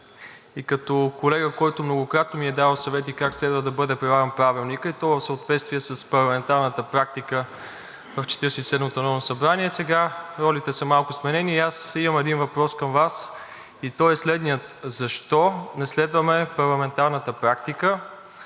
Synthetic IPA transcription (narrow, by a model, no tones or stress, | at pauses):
ikɐt̪ɔkolɛɡəkɔjt̪ʊmnoɡokɾat̪nomiɛd̪avəsɐvɛt̪ikakslɛd̪vəd̪ɐbɤd̪ɛpɾɛvaɾənpɾavilˠnikəit̪ɔvəfsəot̪vɛt̪st̪viɛsəspɐɾlˠɐmɛnt̪aɾnət̪əpɾak̚t̪ikə | vɐft͡ʃɛ̥t̪iɾsisɛd̪mot̪onɔvnosɐbɾaniɛsɛɡaɾɔlit̪ɛsɐmalˠkʊsmɛnɛniːasimɐmɛd̪invɐpɾɔskəmvas | it̪ɔɛslɛd̪nijət̪zɐʃt̪ɔnɛslɛd̪vəmɛpɐɾlˠɐmɛnt̪aɾnət̪əpɾak̚t̪ikə